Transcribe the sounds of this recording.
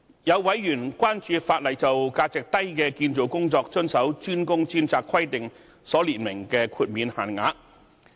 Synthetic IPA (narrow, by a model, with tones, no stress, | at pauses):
jɐ˨˧wwɐ˨˥jːyː˨˩nkʷaː˥nt͡ʃyː˧faː˧t̚lɐ˨˩jt͡sɐ˨wkaː˧t͡sɪ˨k̚t̪ɐ˥jkɛː˧kiː˧nt͡so˨˩wkʊ˥ŋt͡sɔː˧k̚t͡ʃɵ˥nsɐ˨˥wt͡ʃyː˥nkʊ˥ŋt͡siː˥nt͡saː˧kʰwɐ˥jt̪ɪ˨ŋ | sɔː˨˥liː˨˩nmɪ˨˩ŋkɛː˧kʰuː˧t̚miː˨˧nhaː˨˩nŋa̰ː˨˧˥k̚